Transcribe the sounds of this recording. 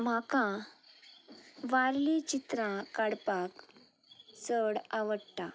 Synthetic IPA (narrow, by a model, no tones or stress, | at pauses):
m̤akã | ʋaɾlit͡ɕit̪ɾãkaɽpak | səɽaʋəɽt̪a